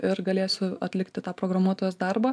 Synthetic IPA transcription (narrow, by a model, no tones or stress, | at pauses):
ɪɾɡɐlʲeːsʲʊɐt̪ʲlʲɪkt̪ʲɪt̪ɑːpɾoːɡɾɐmuɔt̪oːjʲoːsd̪ɐɾbɑː